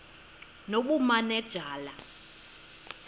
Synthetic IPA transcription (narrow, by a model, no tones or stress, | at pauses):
noɓumanɛd̥ʒ̥ʱaːla